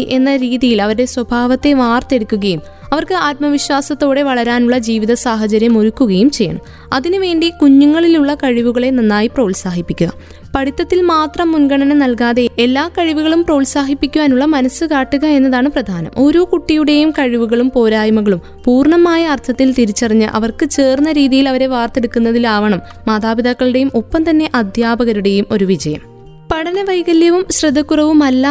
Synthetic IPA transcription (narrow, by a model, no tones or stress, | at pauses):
ʔe̞nːɐɾiːðijilɐʋɐɾuɽe̞swɐbʱaːʋɐt̪ːe̞ʋaːrt̪e̞ɽukːuɣɐjum | ɐʋɐrkɨaːt̪̚mɐʋiɕwaːsɐt̪ːo̞ːɽe̞ʋɐɭɐɾaːnuɭːɐd͡ʑiːʋiðɐsaːɦɐt͡ɕɐɾjɐmo̞ɾukːuɣɐjumt͡ɕe̞jːɐ̰ɳɐ̰m | ɐðinɨʋe̞ːɳɖikuɲːuŋːɐɭiluɭːɐkɐɻiʋuɣɐɭe̞nɐnːaːjiproːɭsaːɦipːikʲːuɣɐ̰ | pɐɽit̪ːɐt̪ːilmaːt̪rɐmːunɡɐɳɐnɐnɐlkaːðe̞elːaːkɐɻiʋuɣɐɭumpro̞ːɭsaːɦipːikʲːuʋaːnuɭːɐmɐnɐsːɨkaːʈːuɣɐe̞nːɐðaːɳɨprɐd̪ʱaːnɐ̰mʔo̞ɾukuʈːijuɽe̞jumkɐɻiʋuɣɐɭumpo̞ːɾaːjɐmɐɣɐɭum | puːrɳɐmaːjɐːrt̪ʰɐt̪ːilt̪iɾit͡ɕːɐriɲːɨ̰ʔɐ̰ʋɐrkɨt͡ɕe̞ːrnːɐɾiːðijilɐʋɐɾe̞ʋaːrt̪e̞ɽukːunːɐðilaːʋɐɳɐmːaːd̪ʱaːbid̪ɐkːɐɭɨɽe̞jumʔo̞pːɐmt̪ɐnːe̞ʔɐd̪ʱjaːbɐɣɐɾuɽe̞jumo̞ɾuʋid͡ʑɐjɐm | pɐɽɐnɐʋɐjɡɐljɐʋumɕrɐd̪ʱːɐkːurɐʋumɐlːa